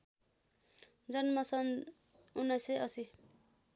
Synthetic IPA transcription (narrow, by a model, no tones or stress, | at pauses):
d͡zʌnmʌsʌn | unːʌjseʌsi